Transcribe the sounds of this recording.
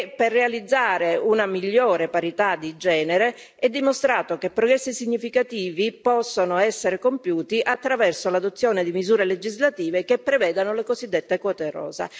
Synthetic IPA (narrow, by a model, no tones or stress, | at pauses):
perːealid̪zːaːɾeunamiʎːoːɾepaɾit̪ad̪ːid͡ʒɛːneɾe | ɛd̪ːimost̪ɾaːt̪okepːɾoɡɾɛsːisiɲːifikat̪iːvipɔsːonoɛsːeɾekompjuːt̪iʔat̪ːɾavɛrsolad̪ot̪sːjoːned̪imizuːɾeled͡ʒizlat̪iːvekepːɾevɛːd̪anolekozid̪ːet̪ːekɔt̪eɾɔ̰ːza̰